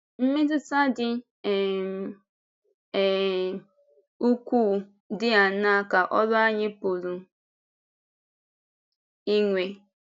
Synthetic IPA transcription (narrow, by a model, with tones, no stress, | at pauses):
m̩˦mɪ˦tɪ˦ta˦dɪ˦ | ɛ˨m˨ | u˦kʷuː˦˨ | dɪ˦a˨na˦˨ka˨ʔɔ˦lɔ˦a˦ɲɪ˦po˨lu˨ | i˦ŋʷe˨